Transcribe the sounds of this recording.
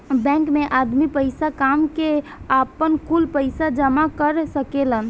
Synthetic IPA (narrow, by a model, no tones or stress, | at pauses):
bɛ̃kmeʔad̪mipəɪjsakamkeapənkulpəɪsad͡ʒəmakəɾsəkelən